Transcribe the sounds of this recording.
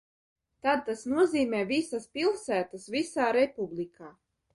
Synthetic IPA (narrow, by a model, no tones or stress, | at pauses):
t̪ad̪̚t̪asnuɔziːmɛːvisaspilˠsæːt̪asvisaːɾɛpublˠikaː